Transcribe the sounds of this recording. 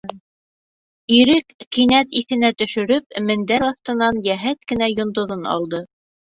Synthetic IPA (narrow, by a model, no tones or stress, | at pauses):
iɾɘkːinæt̪iθɘ̆næt̪ɵ̆ʃɵ̆ɾɵp̚mɘ̆nd̪æɾɑθt̪ɤ̆nɑnjæɦæt̪̚kɘ̆næjŏnd̪ŏðɤnɑ̰lˠd̪ɤ